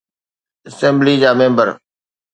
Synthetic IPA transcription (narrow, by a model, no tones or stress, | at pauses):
ɐsɛ̃ːmblid͡ʑaːmẽːmbəɾ